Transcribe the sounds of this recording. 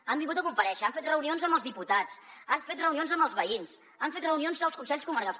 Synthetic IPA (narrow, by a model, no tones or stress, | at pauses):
ambiŋɡut̪əkumpəɾɛʃəaɱfet̪rəunionzəmbəlˠzðiput̪at͡sanfet̪̚rəunionzəmbəlˠzβəins | aɱfet̪rəunionzðəlˠskunsɛʎʲskuməɾkalˠs